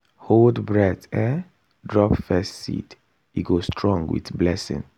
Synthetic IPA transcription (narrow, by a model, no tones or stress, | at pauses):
holdbɹɛtɛ | dɹɔpfɛstsḭt | iɡostʰɹɔ̃ŋɡwḭtblɛsḭ̃ŋ